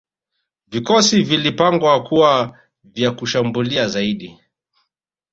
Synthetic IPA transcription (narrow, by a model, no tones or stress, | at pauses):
vikɔsivilipaŋɡwakuwa | vjakuʃambuliazaiɗi